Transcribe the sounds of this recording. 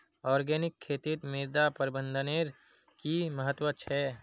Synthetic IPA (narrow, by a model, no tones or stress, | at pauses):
ɔːɾɡɛːnɪkʰːeːt̪ɪt̪mɪɾd̪apəɾɪbə̃nd̪ʱəneːɾ | kiməɦət̪wət͡ʃʰɛː